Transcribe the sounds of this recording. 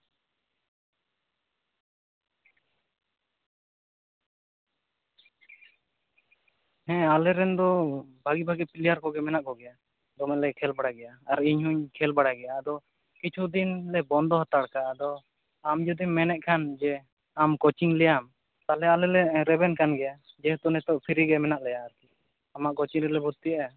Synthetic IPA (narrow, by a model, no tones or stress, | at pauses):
hɛ̃alɛɾɛnd̪ɔbʱaɡibʱaɡɛpiljaɾkɔɡɛmɛnaʔkɔɡɛja | d̪ɔmɛlɛkʰɛlbaɽaɡɛjaːɾiɲɦuɲkʰɛlbaɽaɡɛjad̪ɔ | kit͡ʃʰud̪inlɛbɔnd̪ɔɦat̪aɽkad̪ɔ | amd͡ʒɔd̪imɛnɛʔ̚kʰand͡ʒɛ | amkɔt͡ʃiŋlɛjam | t̪alɛalɛlɛɾɛbɛnkanɡɛja | d͡ʒɛht̪ɔnɛt̪ɔʔpʰiɾiɡɛmɛnaʔlɛjaːɾki | amaʔkɔt͡ʃiɲɾɛlɛbud̪̚t̪iaʔɛ